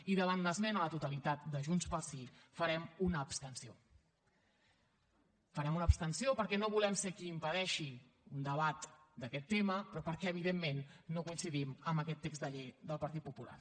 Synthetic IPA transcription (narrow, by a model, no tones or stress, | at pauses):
iðəβ̞and̪əzmɛnələt̪ut̪əlit̪at̪̚d̪əʒunspəɾsifəɾɛmunəːpst̪ənsio | fəɾɛmunəpst̪ənsiopəɾkɛnoβulɛmsekiːmpəðɛʃi | und̪əβat̪d̪əkɛt̪ːeməpɾɔpəɾkɛəβiðemːenːokuinsiðiməmbəkɛt̪ːeɡzd̪əʎejðəlˠpəɾt̪it̪̚pupula̰r